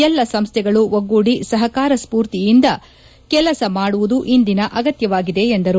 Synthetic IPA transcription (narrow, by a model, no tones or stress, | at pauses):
ɛlːɐsɐmst̪ʰɛɡɐɭuʋoɡuɽisɐɦɐkaːɾɐspuːɾt̪ijind̪ɐ | kɛlɐsɐmaːɽuʋud̪uʔind̪inɐʔɐɡɐt̪jɐʋaːɡid̪e̞ːnd̪ɐɾu